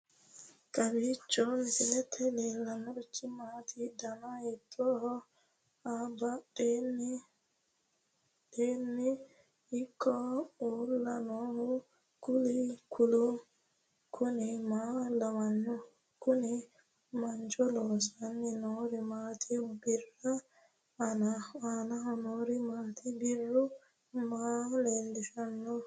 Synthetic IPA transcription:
kʼɐbiːt͡ʃʼːɔnsɪlɛt̪ʰːɛleːlːɐnɔɾt͡ʃːɪmaːt̪ʰid̪ɐnajɛt̪ʰːɔːhɔ | aban | ɗeːnːɪ | ɪkʰːɔuːlːɐnɔːhʊ | kʊlikʰʊlʊ | kʰʊnɪmaːlɐwɐnːɔ | kʊnɪ | mɐnt͡ʃɔloːsɐnːɪnoːɾɪmaːt̪ʰɪbɪrːɐː | naanɐhɔnoːɾɪmaːt̪ɪbɪrːʊ | maːleːlːɪʃɐnːɔ

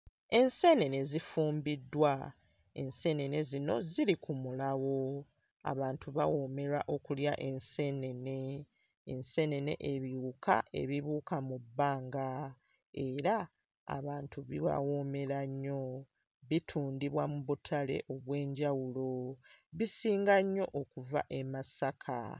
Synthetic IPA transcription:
e̞nse̞ne̞ne̞zifuːmbidːwa | e̞nse̞ne̞ne̞zino̞̰ziɾikumulawo̞ | a̰βaːntuβawo̞me̞ɾaʔo̞kuljaʔe̞nse̞ne̞ne̞ː | nse̞ne̞ne̞̰ʔeβiuka̰e̞̰βiβuːkamubːaːŋɡa | e̞ɾa̰ː | βaːntuβiwa̰wo̞me̞ɾaɲːo̞ | βitʰuːndiβwamuβutʰale̞̰ʔo̞βwe̞ːɲɟawulo̞βisiːŋɡaɲːo̞̰ʔokuva̰ʔe̞masakʰa̰

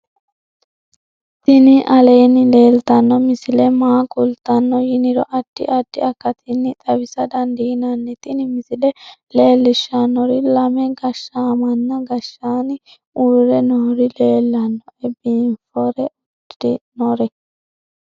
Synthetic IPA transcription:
t̪ɪnɪʔɐleːnɪle̞ːlt̪ɐnːɔmɪsɪlɛmaːkʼʊlt̪ɐnːɔjɪnɪɾɔ̰ʔɐd̥ːɪ̰ʔɐd̪̥ːɪ̰ɐkːɐt̪ɪnːɪt̪ʼɐbɪsɐd̪ɐnd̪iːnɐnːɛt̪ɪnɪmɪsɪlɛle̞ːlːɪʃanːɔɾɪlɐmɛɡɐʃːaːmɐnːɐɡɐʃːaːnɪ | uɾɛnɔhɾɪle̞ːlːɐnːɔɛbinfɔɾɛɐdɪnɔɾɛ

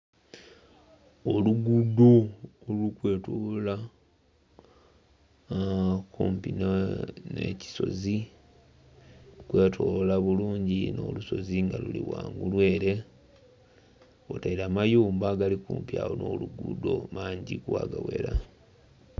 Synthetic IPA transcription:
oluɡudo̞lukwe̞ːtula | kuːmpinne̞̰ci̥so̞̰zi | kwe̞ːtʰoːlaβuluːɲɟino̰ːluso̞ziŋɡaluliwaːŋɡulwe̞ːɾe̞ | otaiɾaːmajuːmbaɡalikuːmpiaːwono̞̰ːluɡudo̞maːɲɟikwa̰ːɡaweɾa

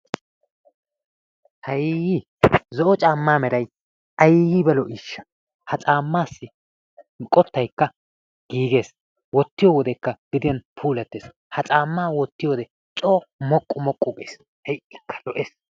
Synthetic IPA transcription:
hɐjɡi | zɔʔɔt͡ʃʼaːmːaːmɛɾɐj | ʔɐjɡibɛlɔʔiːʃːɐ̥ | hɐt͡sʼaːmːaːsːɪ | kʼɔt̪ːɐjkːɐ | ɡ̥iːɡe̞ːs | wɔt̪ːɪjɔwɔd̪ɛkːɐɡ̥ɪd̪ɪjɐnpʰuːlɛt̪ːeːs | hɐt͡sʼaːmːaːwɔt̪ːɪjɔd̪ɛ | t͡sʼoːmɔkʼːʊmɔkʼːʊɡḛːs | hɛjʔɪkːɐ̥lɔʔeːs

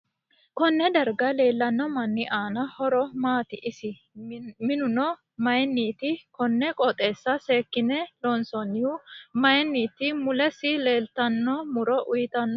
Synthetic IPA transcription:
kɔnːɛd̪ɐɾɡɐle̞ːlːɐnːɔmɐnːɪʔaːnɐhɔɾɔmaːt̪ɪʔɪsɪ | mɪnʊnɔ | mɐjnːiːt̪ɪkɔnːɛkʼɔt̪ʼe̞ːsːɐse̞ːkːɪnɛlɔnsɔnːɪʊmɐjnːiːt̪ɪmʊlɛsɪle̞ːlt̪ɐnːɔmʊɾɔʔʊjɪt̪ɐnːɔ

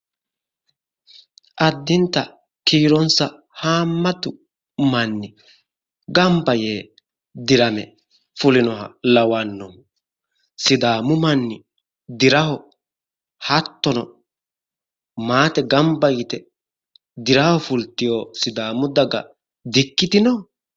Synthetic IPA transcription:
ʔɐd̪ːɪnt̪ɐ | kiːɾɔnsɐ | haːmːɐt̪ʊ | mɐnːɪ | ɡɐmbɐjeː | d̪ɪɾɐmɛ | fʊlɪnɔɦɐlɐwɐnːɔn | sɪd̪aːmʊmɐnːɪ | d̪ɪɾɐhɔ | hɐt̪ːɔnɔ | maːt̪ɛɡɐmbɐjɪt̪ɛ | d̪ɪɾɐhɔfʊlt̪ːɪjoːsɪd̪aːmʊd̪ɐɡɐ̰ | d̪ɪkːɪt̪ɪnɔ

